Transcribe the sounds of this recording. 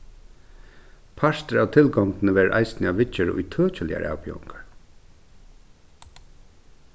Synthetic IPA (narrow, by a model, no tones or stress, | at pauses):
pʰaʂt̪əɾawt̪ʰɪlɡɔŋk̪nəʋɛːɾʔa̰jsnɪaʋɪt͡ʃːəɾʊ̰jt̪ʰœːt͡ʃəlɪ̰ja̰ɾʔa̰ːwpiɔ̰ŋkaɹ